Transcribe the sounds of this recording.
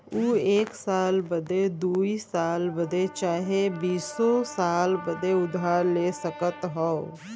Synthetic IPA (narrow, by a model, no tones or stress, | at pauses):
uːeːksaːlbəd̪ed̪uːisaːlbəd̪et͡ʃaːɦebiːsosaːlbəd̪eʊd̪ʱaːɾleːsəkət̪ɦɔo